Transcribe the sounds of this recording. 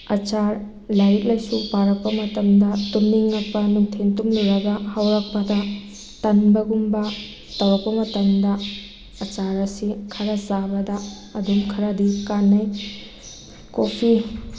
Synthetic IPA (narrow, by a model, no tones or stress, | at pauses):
ɐt͡ʃaɾ | laɾik̚lajsupaɾɐk̚pɐmɐtɐmdɐtumniŋːɐk̚pɐnuŋtʰentumluɾɐɡɐhɐwɾak̚pɐdɐ | tɐnbɐɡumbɐ | tɐwɐk̚pɐmɐtɐndɐ | ɐt͡ʃaɾɐsikʰɐɾɐzabɐdɐː | dumkʰɐɾadikanːɐj | kopʰi